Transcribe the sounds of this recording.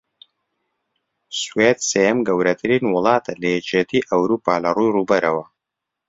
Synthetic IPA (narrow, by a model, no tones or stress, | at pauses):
sweːd̪seɛmɡɐwɾɐt̪ʰɨɾiːnwʊlˠɑːt̪ʰɐlɐjɛt͡ʃʰeːt̪ʰiːʔɐwɾuːpaːlɐrujruːbɐɾɐwɐ